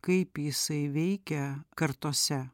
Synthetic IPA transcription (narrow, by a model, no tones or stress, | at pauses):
kɐɪpjɪsɐɪʋʲɛɪkʲɛkɐɾt̪oːsʲɛ